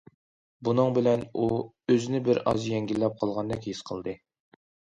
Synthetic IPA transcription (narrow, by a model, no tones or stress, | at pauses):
bunɨŋbɪlɛnu | øzɪnɪbɪɾɑ̰zjɛŋɡʲilːɛp̚qʰɑlˠʁɑnd̪ɛkʲhesqʰəlˠd̪ɨ